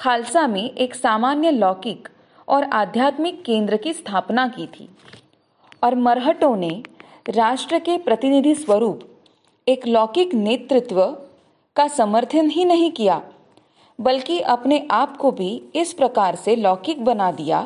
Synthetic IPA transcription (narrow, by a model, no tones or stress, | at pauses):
kʰaːlsamẽʔeːksaːmaːnjəlɔːkɪk | ɔːɾaːd̪ʱjaːt̪mɪkːẽːnd̪ɾəkist̪ʰaːpnakit̪ʰḭː | ɔːɾmɐɾɦəʈõne | ɾaːʃʈɾəkepɾɐt̪ɪnɪd̪ʱiswəɾuːp | eːklɔːkɪkneːt̪ɾɪt̪wə | kasɐməɾt̪ʰənɦinɐɦĩkijaː | bɐlkiʔɐpneʔaːpkobʱiɪspɾɐkaːɾselɔːkɪk̚bɐnad̪ija̰ː